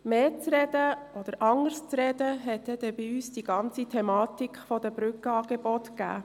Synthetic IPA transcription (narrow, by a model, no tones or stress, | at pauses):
meːt͡sɾɛd̪̥əɔd̥̪əɾʔɑŋəɾst͡sɾɛd̪əɦɛtɛd̥ɛbɪyːsd̥iɡ̥ɑnt͡sitʰɛmɑːtikχfɔd̥̪əb̥ɾʏkəɑːɡ̥ɛbɔtɡ̥æ̰ː